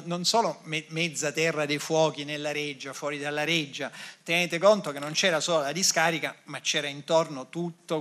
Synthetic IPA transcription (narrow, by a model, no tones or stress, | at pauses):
nonsoːlomɛmɛd̪zːat̪ɛrːad̪ejfwɔːkinelːaɾed͡ʒːafwɔːɾid̪alːaɾed͡ʒːat̪eneːt̪ekont̪ok̟enːont͡ʃɛːɾasoːlolad̪iskaːɾikamat͡ʃːɛːɾaint̪ornot̪ut̪ːo